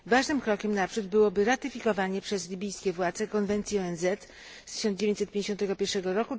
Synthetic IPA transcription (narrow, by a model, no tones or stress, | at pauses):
vaʐnɘmkɾɔkʲɛmnapʂud̪bɘwɔbɘɾat̪ɘfʲikɔvaɲɛpʂɛzlʲibʲijskʲɛvwad̪zɛkɔnvɛnt̪sʲiɔɛnzɛt̪ | st̪ɘ̥ɕɔnd͡ʑevʲẽɲt͡ɕsɛt̪̚pʲẽɲd͡ʑeɕɔ̃nt̪ɛɡɔpʲjɛɾʂɛɡɔɾɔku